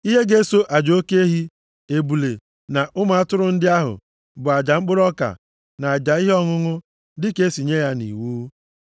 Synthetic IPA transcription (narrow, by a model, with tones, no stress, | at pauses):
i˦ɦe˦ɡe˦so˦ʔa˨d͡ʒo˦ke˦e˦ɦi˦ | e˨bu˨le˨ | na˨ʔʊ˦ma˨a˦tʊ˦ɾʊ˦n̩˦dɪ˦a˦ɦʊ̰˨ | bʊ˨a˨d͡ʒa˨ŋ͡m̩˦k͡pʊ˦ɾɔ˦ka̰˨ | na˨a˨d͡ʒa˨i˦ɦe˦ɔ˦ŋʊ˦ŋʊ˦ | dɪ˦ke˦si˨ɲe˦ja˦nḭ˨wuː˦